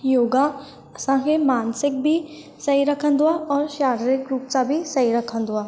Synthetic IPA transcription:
joːɡa | ɐsãkemaːnsɪk̚bʱi | sɐiɾɐkʰə̃nd̪ʊaɔːɾʃaːɾɾɪkɾuːpt͡ʃabʱisɐiɾɐkʰə̃nd̪ʊaː

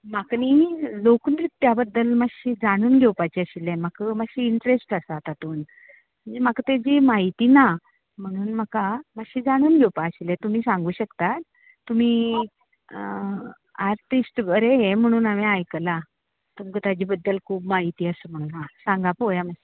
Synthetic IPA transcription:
maknilokunɾit̪ːjabəd̪ːəlmaɕiːd͡zaɽ̃uːnɡʱɛwpat͡ɕiəɕilɛ̃məkməɕiːɳʈɾesʈəsat̪at̪oːn | m̤əɳd͡zemakt̪jad͡ʑimaɦit̪iːna | m̤əɽ̃uːnməkamaɕiːd͡zaɽ̃uːnɡʱewpaəɕilɛ̃t̪um̤iːsãŋɡuːɕəkt̪at̪ː | um̤iː | aɾʈisʈʋəɾejem̤əɽ̃uːnamiajkəla | t̪umkət̪jad͡ʑiːbəd̪ːəlkʰuːbmaɦit̪iːəsəːm̤əɽ̃uːnɦãsãŋɡapojamaɕi

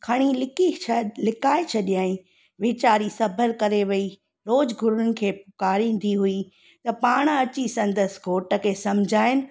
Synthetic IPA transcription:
kʰɐɽ̃ilɪkilɪkaːet͡ɕʰɐɗijaːĩ | ʋeːt͡ɕaːɾisɐbʱəɾkɐɾeʋɐi | ɾoːd͡ʑɡʱʊɾʊnʊnɪ̆kʰeːpʊkaːɾĩːn̆d̪ʱiɦui | t̪ɐpaːɽ̃ɐt͡ɕisɐ̃nd̪əsɡʱoːʈə̆kʰeːsɐ̃md͡ʑʱaːɪnɪ̆

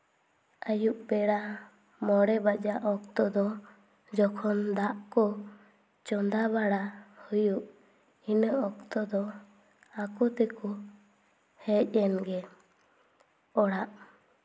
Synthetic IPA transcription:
ajuʔbɛɽa | mɔɽɛbad͡ʒaʔɔkt̪ɔd̪ɔ | d͡ʒɔkʰɔnd̪aʔkɔ | t͡ʃɔnd̪abaɽahujuʔ | inəɔk̚t̪ɔd̪ɔ | akɔt̪ɛkɔ | hɛc̚ˀɛnɡɛ | ɔɽaʔ

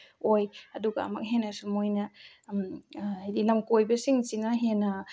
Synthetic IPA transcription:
ojaduɡa̰mɐ̰k̚ɦenasumojna | majdilɐmkojbɐsiŋt͡ʃinaɦena

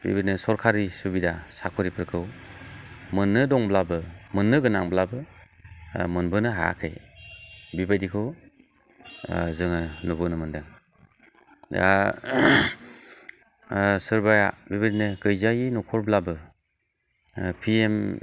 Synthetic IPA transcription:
bḭbanɯsɔɾkʰaɾisubidasakʰɔɾipʰɯɾkʰɯw | mɯnːɯdɔŋblabɯmɯnːɯɡɯnaŋblabɯ | mɯnbɯnɯɦaja̰kʰɯj | bibajdikʰɯw | zɯŋɯnubɯnɯmɯndɯŋ | da̰ | sɯɾbajabibadinɯɡɯjzajinɔkʰɔɾblabɯ | pʰiem

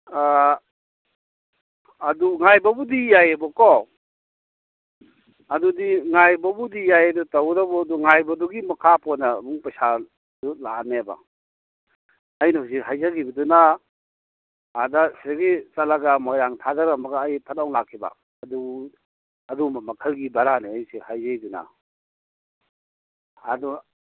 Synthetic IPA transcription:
a | duŋajbabudijajabɔkɔ | adudiŋajbabudijajadutawɾabɔduŋajbɐduɡimakʰapʰɔnamuŋpasa | dula̰neba̰ | ajnas̬iɦajzaɡibɐduna | daseɡit͡ʃalaɡamɔjɾaŋtʰadaɾamaɡaːjpʰat̚awlakʰːiba̰ | ɐdu | ɐdumamɐkʰəlɡibaɾaneajsihajzajduna̰ | dɔ

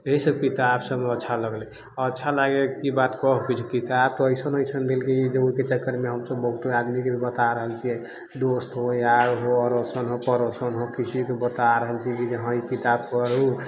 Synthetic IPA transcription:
eɦisəbkit̪absəbmeətːʃʰaləɡlɛ | ətːʃʰalaɡekibat̪kɔɦukit͡ʃʰukit̪ab̚t̪ɔəjsənəjsʰənd̪elked͡ʒeoɦiket͡ʃəkːəɾmeɦəmsəbːəɦut̪oad̪mikebʱibət̪aɾəɦəlt͡ʃʰiɛ | d̪osʈ̪ɦojaɡɦoəɾosənɦopəɾosənɦokiskebət̪aɾəɦəlt͡ʃʰikid͡ʒəɦãikit̪ab̚kəɾu

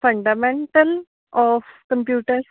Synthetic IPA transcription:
fɐɳɖamẽɳʈɐl | ʔɔːfkɐmpjuːʈəɾs

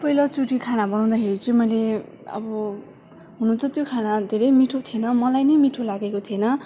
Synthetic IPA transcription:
pʌilʌt͡suʈikʰanabʌnaw̃d̪akʰeɾit͡sʌ̃mʌjle | ʌ̰bʌ | ɦununt͡sʰʌt̪jokʰanad̪ʱeɾʌjmiʈʰot̪ʰjenʌmʌlajnʌjmiʈʰolaɡekot̪ʰienʌ

